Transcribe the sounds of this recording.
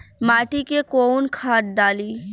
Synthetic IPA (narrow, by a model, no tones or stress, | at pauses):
maːʈikekoːnkʰaːʈ̚ɖaːliː